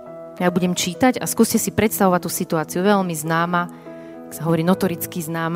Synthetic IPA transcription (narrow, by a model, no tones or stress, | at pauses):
jabuɟɛmt͡ʃiːt̪aɟa̰skuːscɛsipɾɛt̪st̪aʋɔʋat̪ːuːsit̪uaːt͡sijuʋɛʎmiznaːma | aksaɦɔʋɔɾiːnɔt̪ɔɾit͡skiznaːm